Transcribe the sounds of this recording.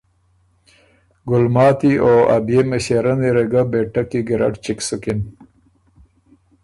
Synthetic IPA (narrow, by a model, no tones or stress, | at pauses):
ɡʊlmɑːt̪ioa̰bjemeɕeɾaniɾeɡabeʈːakiɡɪɾa̰ɖt͡ʃiksukɪn